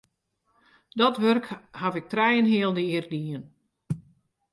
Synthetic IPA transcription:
dɔtʋørkhavɪk̚trɛjənɦɪəlˠdəɪərdiən

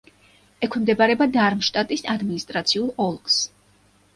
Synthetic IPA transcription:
ɛkʰɛmd̪ɛbaɾɛbad̪aɾmʃt̪ʼat̪ʼisad̪minist̪ʼɾat̪sʰiulˠɔlˠɡs

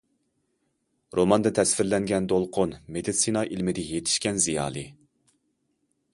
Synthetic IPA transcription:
ɾomɑnd̪ɛt̪ʰɛsfɪɾlɛŋɡʲɛnd̪olˠqʰonmed̪it̪sinɑʔilmɪd̪ɪjet̪ʰɪ̥ʃkʲɛnzijɑ̰ːlˠɨ

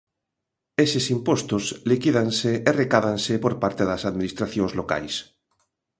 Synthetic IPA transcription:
esesimpost̪ʊslikiðanseːrekaðansepoɾpaɾt̪eðasaðminist̪ɾaθjoŋzloka̰js

